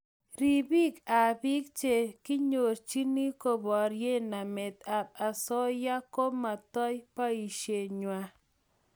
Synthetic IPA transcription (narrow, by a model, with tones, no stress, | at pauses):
ɾi˨bi˦ka˨bi˦k̚t͡ʃe˨kɪ˦ɲo˨ɾt͡ʃi˦ni˦ko˨bɔ˨ɾje˦na˨me˨t̪a˨b̚a˨sɔ˦ja˦ko˦ma˨t̪ɔ˦jpa˦i˨ʃje˨ɲwa˨